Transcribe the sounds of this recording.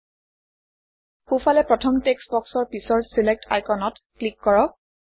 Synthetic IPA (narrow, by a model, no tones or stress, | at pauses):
xufʰalɛpɹɔtʰɔmteksbɔksɔɹpisɔɹsilek̚tʰa̰jkʰɔnɔtklikːɔɹɔk̚